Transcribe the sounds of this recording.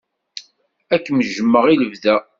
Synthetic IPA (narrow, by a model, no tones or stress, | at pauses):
ækːməʒəmːəʁiləvðæ